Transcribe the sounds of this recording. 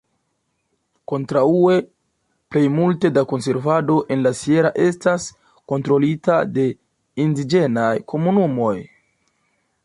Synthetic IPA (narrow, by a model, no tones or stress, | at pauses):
ko̞ntɾaue̞ | ple̞jmulte̞dako̞nse̞ɾvado̞ʔe̞nlasie̞ɾaʔe̞stas | ko̞ntɾo̞litade̞ | indid͡ʒe̞najkʰo̞munumo̞j